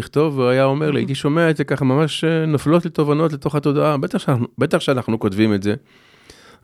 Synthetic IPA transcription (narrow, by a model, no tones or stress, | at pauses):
iχt̪o̞vuajao̞me̞ʁla̰ḭt̪iʃo̞meaetzekaχamamaʃnaflo̞tlet̪o̞vano̞tlet̪o̞χato̞d̪aabe̞t̪aχʃenaubet̪aχʃeanaχnuko̞tvimetze̞